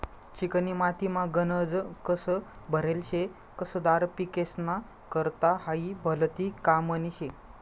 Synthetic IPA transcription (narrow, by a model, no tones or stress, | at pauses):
t͡ɕikənimat̪imãɡənəd͡zkəsə | bʱəɾelɕe | kəsəd̪aɾpikesna | kəɾt̪ahaibʱəlt̪ikaməniɕe